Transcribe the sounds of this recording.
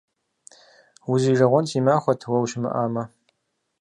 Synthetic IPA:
uziːʐɐʁʷɔntʰimaːχʷɔtʰwɐwʃɪmɨ̰ʔaːmɐ

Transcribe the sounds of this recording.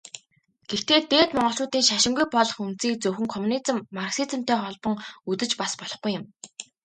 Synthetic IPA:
ɡ̥er̥t̪eːt̪eːt̪mɔɴɢɞ̆ɬt͡ɕʊːt̪iːŋʃaʃɪ̆ŋɡujpɔɮɞ̆χun̥t͡siːk̚t͡sɵwxɘ̆ŋkʰɔmunit͡sɘ̆mːarksit͡sə̆m̥t̪eːχɔɮpɞ̆ŋut̪ɘ̆t͡ɕpaspɔɮɞ̆χɡujːɪ̆m

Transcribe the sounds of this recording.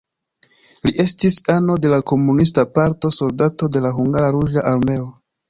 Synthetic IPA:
liʔe̞stisano̞de̞lako̞munis̬tapaɾto̞so̞ldato̞de̞laɦuŋɡaɾaɾud͡ʒaʔaɾme̞o

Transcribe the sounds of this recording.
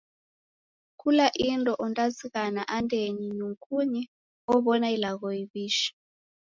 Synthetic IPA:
kʰulaʔintʼɔʔɔntʼaziɣanaʔandʱʼeɲiɲuŋkʰʼuɲɛ | ɔβɔnailaɣɔiβiːʃi̥

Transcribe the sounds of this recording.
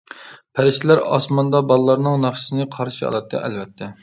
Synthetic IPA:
pʰæɾɪʃt̪ʰɪlæɾɑ̰smɑnd̪ɑbɑlˠlˠːɑɾnɨŋnɑχʃsɨnɨqʰɑɾʃiɑ̰lˠɑt̪ʰːɨ̰ʔɛ̰lvɛt̪ʰːɛ

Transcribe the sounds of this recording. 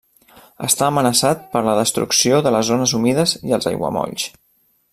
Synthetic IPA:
ə̰st̪aːmənəsat̪̚pəɾləðəst̪ɾṵksioðələzonəzumiðəziəlˠzə̰jɣwə̰mɔ̰ʎs

